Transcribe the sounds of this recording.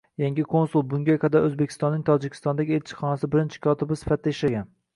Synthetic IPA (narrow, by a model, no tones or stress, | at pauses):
jaŋɡʲɪkʰo̞nsulˠbʊŋɡʲajqʰɑd̪aɾʔɵzbekʲʰɪ̥st̪ɒnːɪŋt̪ʰɒd͡ʒɪkʲʰɪ̥st̪ɒnd̪aɡʲɪelt͡ʃʰɪ̥χɒnasɪbɪɾɪnt͡ʃʰɪ̥kʰɒt̪ʰɪbɪsɪ̥fat̪̚ʰd̪aɪʃlaɡʲan